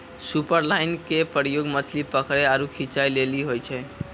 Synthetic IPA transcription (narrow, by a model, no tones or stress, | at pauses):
supəɾlaɪnkepəɾijoɡmət̪ʰlipəkɾeaɾukʰit͡ʃajleliɦojt͡ʃʰɛ